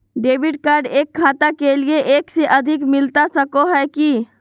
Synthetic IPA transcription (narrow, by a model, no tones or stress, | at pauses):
ɖebʱiɖkaɾɖekʰːat̪akelieʔekseʔəd̪ʱikmilt̪asəkoɦɛki